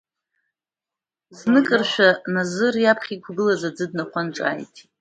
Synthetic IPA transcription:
znɨkʼɨrʃʷᶣanazɨrjapʰχʲikʷʰɡɨlazad͡zɨd̚naχʷanʈ͡ʂʼa̰ːjtʼ

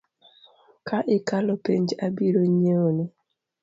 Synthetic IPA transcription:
kʰaʔɪkalɔpeɲd͡ʒabiɾoɲeoni

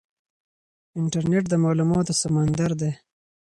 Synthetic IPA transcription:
ɪɳʈaɾneʈ̚d̪əmɑlumɑt̪osamand̪aɾd̪e

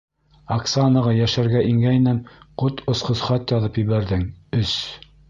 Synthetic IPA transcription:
ɐksanɤʁɑjæʃæɾɡæʔiŋɡæjnænqot̪ŏsqŏsχɑt̪jɑðɤpjɘ̆βæɾðɘŋɵs

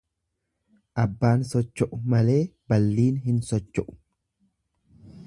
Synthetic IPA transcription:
ʔɐbːaːnsɔt͡ʃːɔʔʊmɐle̞ːbɐlːiːnhɪnsɔt͡ʃːɔʔʊ̥

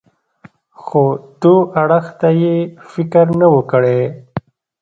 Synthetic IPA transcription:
xot̪uaɽəxt̪ajefɪkəɾnəwəkəɽe

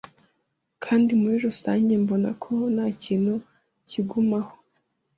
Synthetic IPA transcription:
kʰaːndimuɾiɾusa̰ːɲɟe̞mbo̞na̰kʰo̞naːciːnhu | ciɡumaho̥

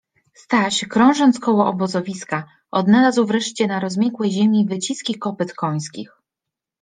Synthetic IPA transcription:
st̪awaɕɛkɾɔ̃w̃ʐɔnt̪skɔwɔʔɔbɔzɔvʲiska | ʔɔd̪nalazwvɾɛʂt͡ɕɛnaɾɔzmʲjɛkwɛjʑemʲivɘt͡ɕiskʲikɔpɘt̪kɔj̃skʲix

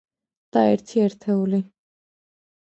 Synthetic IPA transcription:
d̪̥aɛ̰ɾt̪ʰiɛɾt̪ʰɛuli

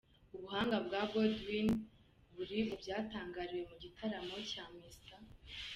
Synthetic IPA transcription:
uβuɦaːŋɡabɡabodwin | βuɾiβubɟaːtaːŋɡaːɾiwe̞muɟitʰaɾamo̞caːmista

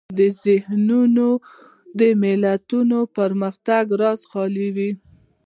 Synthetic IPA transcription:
d̪əzɪhnuno | d̪əmɪlat̪unopəɾməxt̪aɡɾɑzxɑliwi

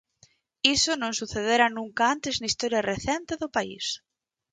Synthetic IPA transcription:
isonõŋsuθeðeɾanũŋkaant̪eznaist̪oɾjareθɛnt̪eðʊpaḭs

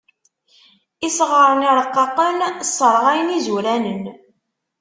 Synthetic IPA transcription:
isʁəɾˤəniɾəqːɑqənsːəɾˤʁæjənizuɾænən

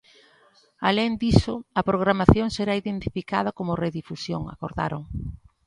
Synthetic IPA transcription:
aleŋd̪isʊɐpɾoɣ̞ɾamaθjoŋseɾaiðent̪ifika̰ð̞ɐkomʊreðifusjoŋa̰koɾða̰ɾo̰ŋ

